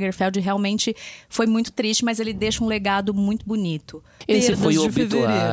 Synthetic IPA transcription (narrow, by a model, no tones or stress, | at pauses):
ɡeɾfɛwd͡ʒɪɦeawmẽnt͡ʃɪfojmũj̃t̪ʊ̥t̪ɾist͡ʃɪmɐzelɪd̪eʃɐũleɡad̪ʊmũj̃t̪ʊbunit̪ʊ | esfojobvive